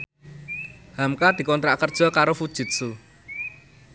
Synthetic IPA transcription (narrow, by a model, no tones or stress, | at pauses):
hamkad̪̥i̤kɔnt̪ɾaʔkərd̥ʒ̥ɔ̤kaɾofud̥ʒ̥ʊ̤t̪̚su